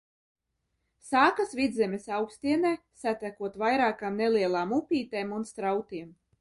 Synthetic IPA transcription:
saːkasvid̪zʲɛmʲesawkst̪ʲiɛnɛː | sat̪ækuɔt̪vajɾaːkamneliɛlˠaːmupʲiːt̪ɛːmunst̪ɾawt̪iɛm

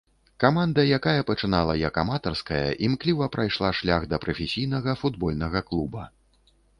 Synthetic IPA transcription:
kamand̪ɐjakajɐpɐt͡ʂɨnalˠɐjɐkamat̪ɐrskɐjɐ̰ʔimklʲivɐpɾʔajʂlˠaʂlʲaɣd̪ɐpɾɐfʲesʲijnɐɣɐfud̪bɔlʲnɐɣɐklˠubɐ

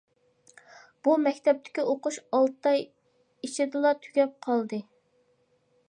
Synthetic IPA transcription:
b̥umɛkʲt̪ʰɛp̚t̪ʰɪ̥kʲioqʊʃɑlˠt̪ɑj | it͡ʃʰɪd̪ɨlˠɑt̪ʰy̥ɡʲɛp̚qʰɑlˠd̪ɨ

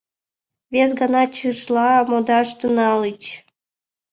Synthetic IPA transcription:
βes̬ɡɑnɑt͡ɕɨʃlˠɑmod̪ɑʃt̪unɑlɨt͡ɕ

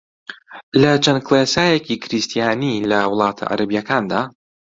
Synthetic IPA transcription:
lɐt͡ʃʰɐnkʰlˠeːsaːjecikʰɾist̪ʰijaːnilɐwʊlˠɑːt̪ʰa̰ʔɐ̰ɾʔɐbijɐkʰaːnd̪aː

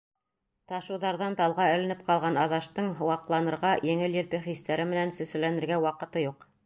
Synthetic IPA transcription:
t̪ɑʃɤ̆wðɑɾðɑnt̪ɑlˠʁɑɘ̆lɘ̆nɘp̚qɑlˠʁɑnɑðɑʃt̪ɤɴwɑqlˠɑnɤ̆ɾʁɑjɘ̆ŋɘljɘ̆ɾpɘχist̪æɾɘmɘ̆nænsɵ̆sɘ̆lænɘ̆ɾɡæwɑqɤ̆t̪ɤjuq

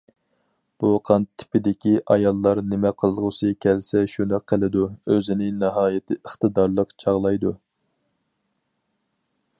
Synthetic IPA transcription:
b̥uqʰɑnt̪ʰːɪ̥pɪd̪ɪkʲiʔɑjɑlˠːɑɾnɪmɛqʰəlˠʁʊsɨkʲʰɛlsɛʃund̪ɨqʰːəlˠɨd̪uøzɪnɪnɨɦɑːjet̪ʰɪʔəχt̪ɨd̪ɑɾlˠəqt͡ʃʰɑʁlˠɑjd̪u

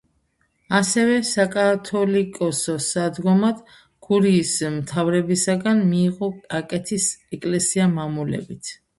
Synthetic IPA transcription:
asɛvɛsakʼat̪ʰɔlikʼɔsɔsad̪ɡɔmad̪̥ | ɡ̥uɾiːsmt̪ʰavɾɛbisaɡanmiːʁɔkʼakʼɛt̪ʰisɛkʼlɛsiamamulɛ̰bit̪ʰ

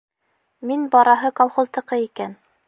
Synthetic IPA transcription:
minbɑɾɑɦɤkolˠχŏzd̪ɤ̆qɤikæn

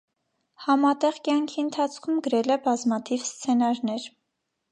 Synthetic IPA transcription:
hɑmɑt̪ɛʁkjɑŋkʰiənt̪ʰɑt͡sʰkʰumɡəɾɛlɛbɑzmɑt̪ʰivst͡sʰɛnɑɾnɛɾ

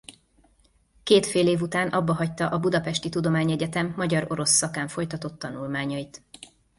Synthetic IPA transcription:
keːt̪feːleːvut̪aːnʔɒbːɒɦɒc̚t̪ɒʔɒbud̪ɒpɛʃt̪it̪ud̪o̞maːɲɛɟɛt̪ɛmːɒɟɒɾo̞ɾo̞sːɒkaːɱfo̞jt̪ɒt̪o̞t̪ːɒnulmaːɲɒjit̪

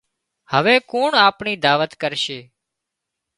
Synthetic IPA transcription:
həʋeːkoːɳaːpɳiːd̪aːʋət̪kəɾʃeː

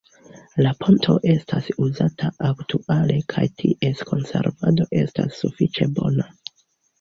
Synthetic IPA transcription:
lapʰo̞ntʰo̞̰ʔe̞stʰasuzatʰaʔaktʰuʔale̞kʰajtʰiʔe̞skʰo̞nse̞̰ɾvado̞ʔe̞stasːufit͡ʃe̞bo̞na

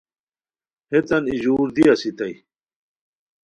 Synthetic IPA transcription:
het̪ɐnid͡ʑuːɾd̪iɐsit̪ɐj

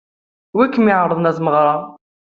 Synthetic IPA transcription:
wikːmɪʕɾˤəðˤnæθməʁɾˤɑ

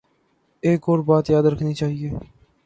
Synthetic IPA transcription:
eːkoːɾbaːt̪jaːd̪ɾəkʰniːt͡ʃaːɦieː

